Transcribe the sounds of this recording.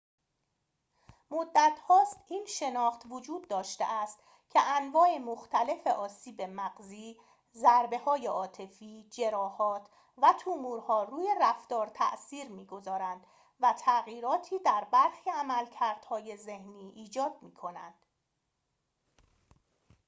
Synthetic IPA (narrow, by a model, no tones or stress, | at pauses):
mod̪ːæt̪ʰhɒːst̪ʔiːnʃe̞nɒːxt̪vod͡ʒuːd̪̚ːɒːʃt̪ḛʔæst̪ | cʲʰeʔænvɒːʔemoxt̪ʰæle̞fe̞ʔɒːsiːbe̞mæɢziː | zæɾbe̞hɒːje̞ʔɒːt̪ʰe̞fiːd͡ʒe̞ɾɒːhɒːt̪ʰ | væt̪ʰumuːɾhɒːruːje̞ræft̪ɒːɾt̪ʰæ̰ʔsiːɾmiːɡo̞zɒːɾænd̪̥ | væt̪ʰæɣiːɾɒːt̪ʰiːd̪æɾbæɾxiːæmælcʰæɾd̪̥hɒːje̞ze̞hniːʔiːd͡ʒɒːd̪̥̚miːkʰo̞næ̰nd̪̥